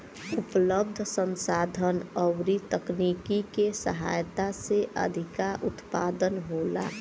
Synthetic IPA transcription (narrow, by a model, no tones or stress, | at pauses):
ʊpləb̚d̪ʱəsə̃nsaːd̪ʱənɔwɾit̪əknikikesə̰ɦa̰jt̪aseʔə̰d̪ʱɪkaʔʊt̪paːd̪ənɦoːla̰